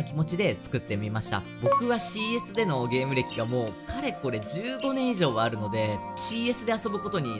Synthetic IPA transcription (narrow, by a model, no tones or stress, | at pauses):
akʲimo̞t͡ɕid̪e̞t͡sɨ̥kɯ̟t̪ːe̞mʲimaɕi̥t̪a̰bo̞kɯ̟βaɕiːe̞sɨd̪e̞no̞ɡe̞ːmɯ̟ɾe̞kʲiɡamo̞ːkʰaɾe̞ko̞ɾe̞d͡ʑɨːɡo̞nẽ̞ɰ̃iʑo̞ːβaːɾɯ̟no̞d̪e̞ɕiːe̞sɨd̪e̞aso̞bɯ̟ko̞t̪o̞ɲ̟i